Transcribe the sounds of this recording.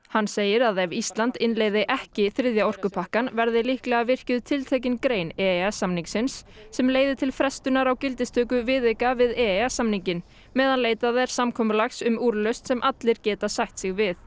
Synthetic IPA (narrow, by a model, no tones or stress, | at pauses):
hanseːjɪɾaðɛvist̪lant̪ɪnleːjðɪʔɛhcɪθɾɪðjaɔr̥kʏpʰahkanvɛɾðɪlihklɛɣavɪr̥cʏðʏt̪ʰɪlt̪ʰeːjc̬ɪnkɾeːjnɛːasamniŋksɪnsːɛmleːjðɪt̪ʰɪlfɾɛst̪ʏnaɾawcɪlt̪ɪst̪ʰœːkʏvɪðejkavɪðɛasamniɲcɪn | mɛːðanleːjt̪aðɛɾ̥samkʰɔːmʏlaxsʏmuːɾlœɥst̪sɛmʔat̪lɪɾ̥cɛːt̪asajht̪sɪɣvɪθ